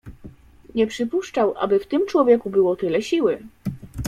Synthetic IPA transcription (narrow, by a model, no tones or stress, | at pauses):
ɲɛpʂɘpuʂt͡ʂawʔa̰bɘft̪ɘmt͡ʂwɔvʲjɛkubɘwɔt̪ɘlɛɕiwɘ